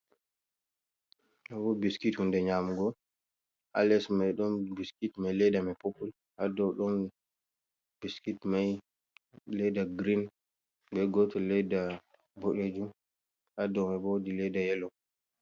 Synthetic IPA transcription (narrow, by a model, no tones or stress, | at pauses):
nabɔbiskithundɛɲaːmuɡɔ | ʔa̰lɛsmajɗɔnbiskitmajlɛdamɛpopul | hadɔwɗɔn | biskitmaj | lɛdaɡɾin | bɛɡɔtɔlɛda | boɗed͡ʒum | hadɔwmɛbodilɛdajɛlɔ